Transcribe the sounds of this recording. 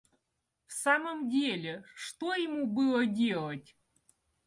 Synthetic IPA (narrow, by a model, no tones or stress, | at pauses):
fsaməmdʲelʲeʂt̪ojɪmubɨlˠədʲelˠətʲ